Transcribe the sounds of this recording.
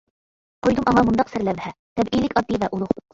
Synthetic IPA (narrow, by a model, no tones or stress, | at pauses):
qʰojd̪umʔɑŋɑmund̪ɑqsɘɾlævhɛt̪ʰɛbilɪkʲɑd̪ːivɛʔulˠuχ